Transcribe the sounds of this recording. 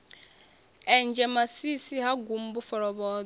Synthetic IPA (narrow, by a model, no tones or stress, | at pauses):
ɛnd͡ʒɛmasisiɦaɡum̩bufɔɾɔβɔː